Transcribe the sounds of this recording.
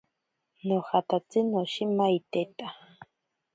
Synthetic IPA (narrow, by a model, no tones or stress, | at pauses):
noxat̪at͡sinoʃimait̪et̪a